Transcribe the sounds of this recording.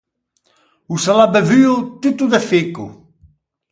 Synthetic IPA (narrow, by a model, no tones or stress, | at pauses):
usalabevyut̪ut̪uðefikṵ